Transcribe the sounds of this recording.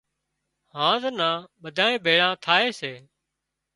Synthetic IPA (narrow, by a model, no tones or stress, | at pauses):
hãːzənãːɓəd̪ʱaːẽːbʱeːɭãːt̪ʰaːeːseː